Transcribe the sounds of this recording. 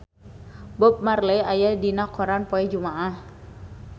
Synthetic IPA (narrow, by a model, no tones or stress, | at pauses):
bɔp̚marlɛajadinakɔɾanpɔɛd͡ʒumaʔah